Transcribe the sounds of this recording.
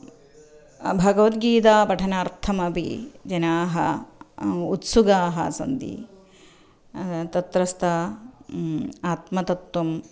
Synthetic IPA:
bʱɐɡɐʋɐt̪̚ɡiːt̪̬aːpɐʈʰɐnaːɾt̪ʰɐmɐpḭd͡ʒɐnaːɦɐ̰ | ut̪suɡaːɦɐ̰sɐ̰nd̪ḭ | t̪ɐt̪ɾɐst̪ʰɐ | aːt̪mɐt̪ɐt̪wɐm

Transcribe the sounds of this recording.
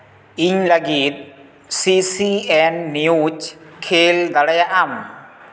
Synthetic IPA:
iɲlɐɡit̪̚ | sisiɛnːijut͡ʃkʰeːld̪ɐɽɐjaʔam

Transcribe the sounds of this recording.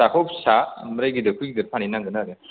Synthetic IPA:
akʰɔwpsamɾajɡidɯkʰujɡidɯɾpʰaninaŋɡɯnaɾja

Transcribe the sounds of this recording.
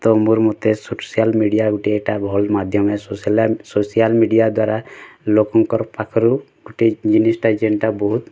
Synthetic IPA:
t̪ɔmuɾmot̪esosijalmiɖijaɡuʈiɛkʈabʱɔlmad̪ʱjɔmessosijalmiɖijad̪waːɾalokɔŋkɔɾpakʰɾu | ɡuʈid͡ʒinisʈad͡ʒeɳɖʈabɔɦut̪

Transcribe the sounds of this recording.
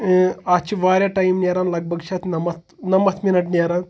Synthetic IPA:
at͡ʃiʋaːɾʲjaʈajimnʲeɾaːnlɐɡ̚bʱɐɡt͡ʃʰat̪nɐmɐt̪ | nɐmɐt̪ʰminɐʈnʲeɾaːn

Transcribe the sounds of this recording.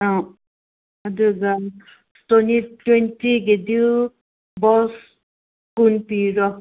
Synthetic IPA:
aw | aduɡa | tonitwentiɡed̪i | bɔs | kunpiɾɔ

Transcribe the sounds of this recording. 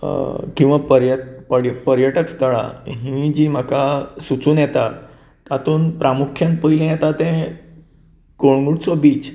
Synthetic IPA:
kĩw̃ʋapəɾjət̪pəɽjəpəɾjəʈəkst̪əɭa̰ɦĩd͡ʑiːm̤akasut͡suːnjɛt̪at̪ː | at̪uːnpɾamukʰjãnpəilẽjɛt̪at̪ɛ̃ | ɡ̥oɽɡuɽt͡sɔbiːt͡ɕ

